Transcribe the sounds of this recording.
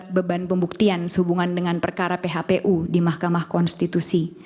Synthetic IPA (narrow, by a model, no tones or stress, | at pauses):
t̪̚bəbanpəmbuk̚t̪iansəhubuŋandəŋanpərkaɾapeɦapeʔudimahkamahkɔnst̪it̪usi